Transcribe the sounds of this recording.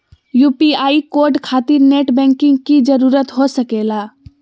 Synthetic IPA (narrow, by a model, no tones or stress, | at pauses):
juːpiaːikoːɾɖkʰaːt̪iɾneːʈbɛ̃ŋkɪ̃ŋɡkid͡ʒəɾuːɾət̪ɦosəkeːlaː